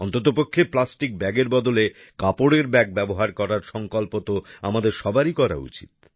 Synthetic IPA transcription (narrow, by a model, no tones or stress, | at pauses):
ɔnt̪ot̪opokʰːeplasʈik̚bɛɡeɾbɔd̪ole | kapoɽeɾbɛɡ̚bɛboɦaɾkɔɾaɾʃɔŋkolpot̪oamad̪eɾʃɔbaɾikɔɾa̰ṵt͡ɕḭt̪̚